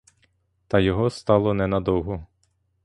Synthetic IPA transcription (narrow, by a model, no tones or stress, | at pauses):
t̪ɑjɔɦɔst̪ɑlˠɔnɛnɐd̪ɔwɦʊ